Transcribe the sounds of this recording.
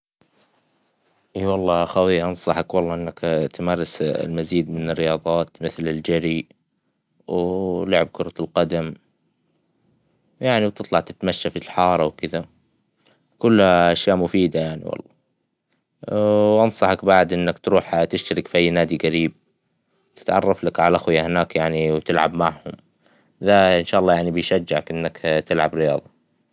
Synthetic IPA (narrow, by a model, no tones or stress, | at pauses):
ʔiːwɑlˤːɑːʔaxawiːʔɑnsˤɑħɑkwɑlːˤɑːʔɪnːakt̪mɑːɾˤɪslmaziːd̪mɪnɪrːɪjɑːðˤɑːt̪mɪθlɪld͡ʒaɾi | wlʊʕɪb̚kʊɾˤɑlqɑd̪am | jaʕniwt̪ɨt̪ˤlɑʕt̪ɪt̪maʃːafilħɑːɾˤɑwkɪða | kʊlːhaʔaʃjaːʔmʊfiːd̪ajaʕnḭwɑ̰lˤːɑ̰ː | ʔɑnsˤɑħɑkbaʕd̪ʔɪnːakt̪ɾuːħt̪ɪʃt̪aɾɪkfiʔajːnaːd̪iɣaɾiːb̚ | t̪ɪ̥t̪ʕɑ̰rˤːɑflakʕalaʔaxwjahɪnaːkjaʕniwt̪ɪlʕa̰bmaʕhʊm | ðaʔɪnʃaːʔɑlˤːɑːjaʕnibɪjʃad͡ʒːɪʕakʔɪnːakt̪ɪlʕabɾɪjɑ̰ːðˤɑ